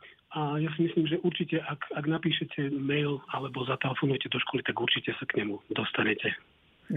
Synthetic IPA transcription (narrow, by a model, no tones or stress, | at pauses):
ajas̬imisliːmʒɛʔuɾt͡ʃicɛʔakaɡnapiːʃɛcʰɛmɛjlalɛbɔzat̪ɛlɛfɔnujɛcɛd̪ɔʃkɔlit̪aɡuɾt͡ʃicɛsakɲɛmud̪ɔst̪aɲɛcɛ